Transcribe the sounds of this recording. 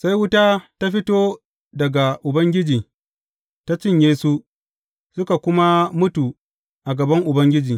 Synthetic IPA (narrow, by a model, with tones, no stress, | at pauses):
sa˦jwʊ˦taː˦ta˦ɸɪ˦toː˦ | dɐ˨ɡa˨ʔʊ˨bɐ˦ŋɡʲɪ˦d͡ʒiː˨ | ta˦t͡ʃɪ˦ɲjeː˦su˦ | sʊ˦ka˨kʷʊ˦ma˦mʊ˦tu˨ | ʔa˨ɡɐ˨bɐ˦ŋʔʊ˨bɐ˦ŋɡʲɪ˦d͡ʒiː˨